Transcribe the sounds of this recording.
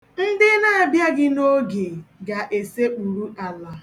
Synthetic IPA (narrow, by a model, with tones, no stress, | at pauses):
n̩˦dɪ˦na˦a˨bja˦ɡɪ˦no˦ɡe˨ɡa˨ʔe˨se˦u˨ɾu˦a˨la˨